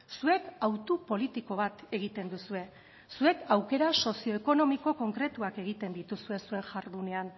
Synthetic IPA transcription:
sue̞kawt̪upo̞lit̪iko̞βat̪e̞ɣit̪e̞nd̪usue̞ | sue̞kawke̞ɾaso̞sio̞eko̞no̞miko̞ko̞ŋkɾe̞t̪uake̞ɣ̞it̪e̞nd̪it̪usue̞sue̞ŋʝaɾðune̞an

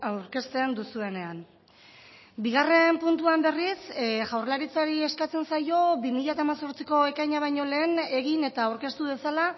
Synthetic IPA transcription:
awɾke̞st̪e̞nd̪usue̞ne̞an | biɣ̞are̞mpunt̪uambe̞risʝawrlaɾit͡saɾie̞skat͡se̞nsajo̞bimiʎat̪aːmaso̞ɾt͡siko̞e̞kajɲaβ̞ajɲo̞le̞ːne̞ɣine̞t̪aːwɾke̞st̪uβ̞e̞sala

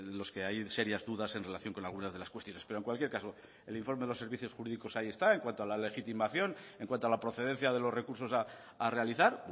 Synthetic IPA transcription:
lo̞ske̞ajse̞ɾjazðuðase̞nre̞laθjoŋko̞nalɣunazð̞e̞laskwe̞st̪jo̞ne̞speɾoe̞ŋkwalkje̞ɾkaso̞ | e̞liɱfo̞ɾmeðelo̞se̞ɾβiθjo̞sxuɾiðiko̞saie̞st̪ae̞ŋkwant̪oalale̞xit̪imaθjo̞ne̞ŋkwant̪oalapɾo̞θe̞ðe̞n̟θjaðe̞lo̞zre̞kuɾso̞saː | re̞aliθaɾ

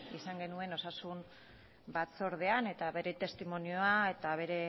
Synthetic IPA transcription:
isaŋɡe̞nue̞no̞sasum | bat͡so̞ɾð̞e̞ane̞t̪aβe̞ɾe̞t̪e̞st̪imo̞nio̞aet̪aβ̞e̞ɾe̞

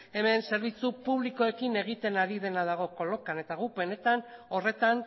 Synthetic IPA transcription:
e̞me̞nse̞ɾβit͡supuβ̞liko̞e̞kine̞ɣ̞it̪e̞naɾið̞e̞nað̞aɣ̞o̞ko̞lo̞kane̞t̪aɣupe̞ne̞t̪ano̞re̞t̪an

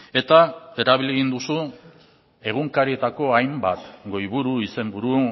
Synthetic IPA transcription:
e̞t̪ae̞ɾaβ̞iliɣind̪usu | e̞ɣuŋkaɾiet̪ako̞ajmbat̪ɡo̞jβuɾuise̞mbuɾu

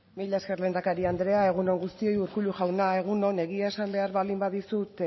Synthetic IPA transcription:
miʎaeske̞rle̞nd̪akaɾiand̪ɾe̞ae̞ɣ̞uno̞ŋɡust̪io̞juɾkuʎuʝawnae̞ɣ̞uno̞ne̞ɣiae̞sambe̞aɾβald̪imbaðisut̪e

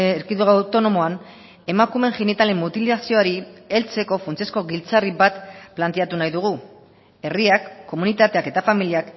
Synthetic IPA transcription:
eɾkiðuɣawt̪o̞no̞mo̞an | e̞makume̞ŋʝenit̪ale̞mːut̪ilasio̞aɾie̞lt͡se̞ko̞funt͡siesko̞ɣilt͡saribat̪plant̪e̞at̪unajðuɣ̞u | e̞riakːo̞munit̪at̪eake̞t̪afamiliak

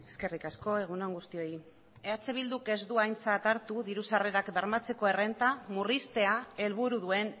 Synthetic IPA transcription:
eske̞rikasko̞e̞ɣ̞unaŋɡust̪io̞i | eat͡seβ̞ild̪uke̞zd̪uajnt͡sat̪aɾt̪uðiɾusare̞ɾakbe̞ɾmat͡se̞ko̞e̞re̞nt̪amurist̪e̞ae̞lβ̞uɾuðue̞n

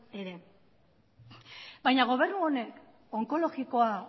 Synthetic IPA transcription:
eɾe̞ | bajɲaɣ̞o̞β̞e̞ɾnuone̞k | oŋko̞lo̞ɣiko̞a

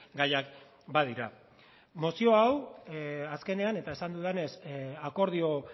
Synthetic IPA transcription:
ɡajak | bað̞iɾa | mo̞sio̞aw | aske̞ne̞ane̞t̪ae̞sand̪uðe̞ne̞sako̞ɾð̞io̞

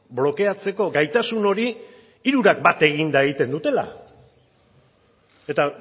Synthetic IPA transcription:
blo̞ke̞at͡se̞ko̞ɡajt̪asuno̞ɾi | iɾuɾak̚bat̪e̞ɣind̪aeɣit̪e̞nd̪ut̪e̞la̰ | e̞t̪a

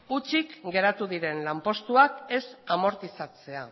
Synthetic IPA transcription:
ut͡ʃikɡe̞ɾat̪uðiɾe̞nlampo̞st̪uake̞samo̞ɾt̪isat͡se̞a

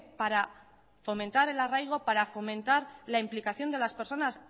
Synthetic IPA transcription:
paɾa | fo̞mẽ̞nt̪aɾe̞larajɣ̞o̞paɾafo̞mẽ̞nt̪aɾlaimplikaθjo̞nd̪e̞laspe̞ɾso̞nas

